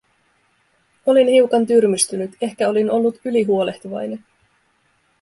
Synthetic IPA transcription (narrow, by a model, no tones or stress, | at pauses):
o̞linhiwkɑnt̪yrmyst̪ynyt̪e̞hkæo̞lino̞lːut̪yliɦuo̞le̞ht̪uʋɑ̰jne̞n